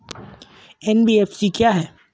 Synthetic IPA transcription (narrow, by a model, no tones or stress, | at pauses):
ɛnbiːeːfsikjaːɦɛː